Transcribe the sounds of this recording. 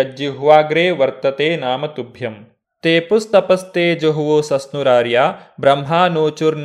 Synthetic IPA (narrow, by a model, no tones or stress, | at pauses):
d͡ʒjuɦʋaːɡɾeːʋɐɾt̪ɐt̪eːnaːmɐt̪ubʱjɐm | t̪eːpust̪ɐpɐst̪eːd͡ʒoɦuʋoːsɐsnuɾaːɾjaːbɾɐmɦaːnoːt͡ʃuɾn